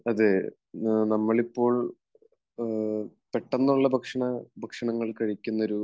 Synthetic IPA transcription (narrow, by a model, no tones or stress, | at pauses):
ɐðe | nɐmːɐɭipːo̞ːɭ | peʈːɐnːuɭːɐbʱɐkʂɐɳɐbʱɐkʂɐɳɐŋːɐɭkɐɻikʲːunːɐɾu